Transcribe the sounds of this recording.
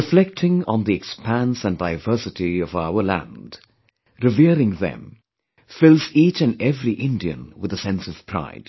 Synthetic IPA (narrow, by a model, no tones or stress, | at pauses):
flɛk̚tʰɪ̃ŋə̰̃nðiɨkspʰæ̃nsə̃ndaɪvɜ˞sɨɾiʌvaʊə˞læ̰̃nd̥ | ɹɨviɹɪ̃ŋðɨ̰̃m | fɪlˠzit͡ʃɨ̃nɛvɹiʔɪ̃ndiɨ̰̃nwɨðəsɛ̃nsʌv̥pʰɹ̥a̰ɪd̥